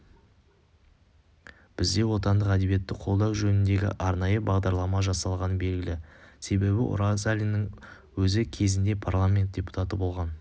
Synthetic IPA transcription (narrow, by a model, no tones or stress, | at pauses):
b̥ɪzd̪e̞wo̞t̪ɑnd̪əqæd̪e̞bije̞t̪ːɪqʰo̞lˠd̪ɑwʒɵnɪnd̪e̞ɡʲɪ̰ʔɑɾnɑjəbɑʁd̪ɑɾlˠɑmɑʒɑsɑlˠʁɑnəbe̞lɡʲɪlɪse̞be̞bɪʔʊ̰ɾasalʲinːɪŋ | wɵzɪkʲʰe̞zɪnd̪e̞pʰarlˠamʲe̞nt̪̚d̪̥ʲe̞pu̥t̪at̪əbo̞lˠʁɑn